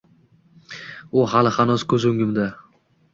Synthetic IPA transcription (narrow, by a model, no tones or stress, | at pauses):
ʊɦalɪχanɒskʰɵzʊŋɡɪmd̪a